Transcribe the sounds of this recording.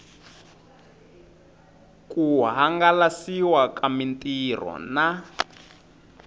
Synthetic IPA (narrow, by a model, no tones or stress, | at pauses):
kʼuɦaŋɡalasiwakamintʼir̤ɔ̰na